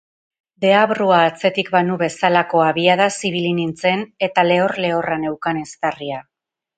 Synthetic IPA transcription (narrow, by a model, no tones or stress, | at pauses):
d̪e̞aβruaːt͡se̞t̪ikbanuβe̞salako̞aβiað̞asiβ̞ilinint͡se̞ne̞t̪ale̞o̞ɾle̞o̞rane̞wkane̞st̪aria